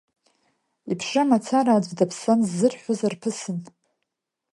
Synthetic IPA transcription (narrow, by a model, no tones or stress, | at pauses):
ipʰʂamat͡sʰaɾaːd͡ʒʷʼdapʰsanzːɨrħʷᶣozarpʰɨsɨn